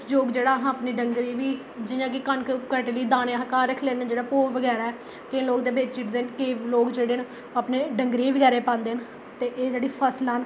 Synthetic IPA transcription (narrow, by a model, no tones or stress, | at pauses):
d͡ʒoːɡd͡ʒeːɽaːɦãːəpniːɖəŋɡɾiːʋiː | d͡ʒɪjãːk̬ɪkənkkəʈːliːd̪ãːnẽɦkaːɾəkʰlẽːd͡ʒeːɽaːpoːʋəɡɛːɾaːɛː | keloːkd̪eːbeːt͡ʃt͡ʃiʈd̪eːnkeːloːkd͡ʒeːɽeːn | aːpneːɖəŋɡɾiːʋəɡɛːɾeːpãːnd̪eːn | t̪eːʔeːd͡ʒeːɽiːpʰəslən